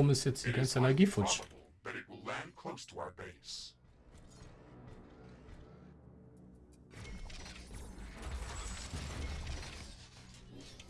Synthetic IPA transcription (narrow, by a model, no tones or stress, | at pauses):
ɔməsɛt͡sʰikɛ̃nsɛlɑɡifɔt͡ʃ̩ˠb̥ʌɾɨt̚wɪlˠæ̃nkʰl̥oʊstʰəa̰ʊə˞beɪs